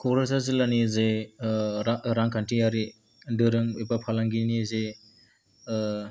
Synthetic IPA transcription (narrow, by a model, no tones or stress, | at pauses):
kʰɔɾɯsazelanize | aɾaŋkʰantɾiaɾi | dɯɾɯŋojbapʰalaŋɡinize